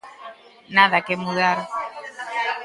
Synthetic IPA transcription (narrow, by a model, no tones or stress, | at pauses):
naðakemuðaɾ